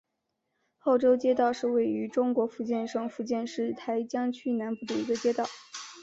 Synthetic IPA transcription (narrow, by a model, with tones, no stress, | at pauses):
o˥˩ʊʈ͡ʂo˥ʊt͡ɕjɛ˥t̪ɑ˥˧ʊʂɻ̩˥˧we˥˩ɪy˧˥ʈ͡ʂʊ˥ŋkwɔ˧˥fu˥˧t͡ɕjɛ˥˧nʂɤ˥˩ŋfu˥˧t͡ɕjɛ˥˧nʂɻ̩˥˩t̪ʰa˧˥ɪt͡ɕjɑ˥ŋt͡ɕʰy˥˩na˧˥npu˥˩d̪ə˩i˧˥ɡə˧t͡ɕjɛ˥t̪ɑ˥˩ʊ